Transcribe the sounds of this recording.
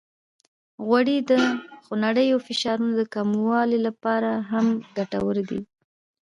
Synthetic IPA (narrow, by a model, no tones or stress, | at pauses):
ɣwaɽid̪əxonaɽəjawfɪʃɑɾunod̪əkamwɑlilapɑɾaɦamɡaʈa̰wəɾd̪ḭ